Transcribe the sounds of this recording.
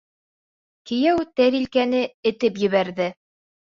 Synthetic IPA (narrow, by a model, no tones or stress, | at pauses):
kɘ̆jæwt̪æɾilkænɘɘ̆t̪ɘp̬jɘ̆βæɾðɘ